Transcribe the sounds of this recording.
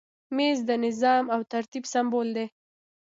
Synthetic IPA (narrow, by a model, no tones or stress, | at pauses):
mezd̪ənɪzɑmawt̪aɾt̪ibsambold̪e